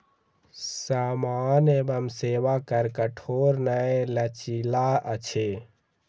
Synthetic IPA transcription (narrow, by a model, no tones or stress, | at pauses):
saːmaːnebəmseʋakəɾkəʈʰoɾnaelət͡ʃilaət͡ʃʰe